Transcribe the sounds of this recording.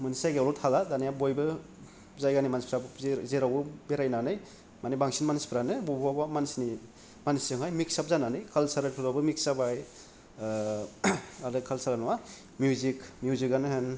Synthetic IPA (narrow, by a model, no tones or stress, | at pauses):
mɯnsajɡewlɔtʰaladanijabojbɯ | zajɡanimanspʰɾabzeɾawbɯbeɾajnanɯj | manibaŋsinmanspʰɾanɯbobwabamansni | mansɯŋɦajmiksap̚zananɯjkʰalsaɾɯtʰuɾabɯmiksabaj | aɾɯkʰalsaɾanɔwa | mjuzikmjuzikɡanɯɦɯn